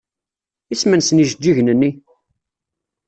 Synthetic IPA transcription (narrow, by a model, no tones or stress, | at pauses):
ismənsəniʒd͡ʒ̪ːiʝnənːi